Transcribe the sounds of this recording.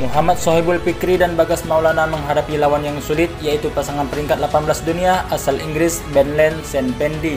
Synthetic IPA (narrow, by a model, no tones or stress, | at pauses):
muɦamat̪̚sɔɦibulpikɾidanbaɡasmaulanaməŋɦaɾapilawanjaŋsulɪt̪̚jait̪upasaŋanpəɾiŋkat̪̚lapanbəlasduniaʔasaliŋɡɾɪsbɛnlɛnsɛnpɛndi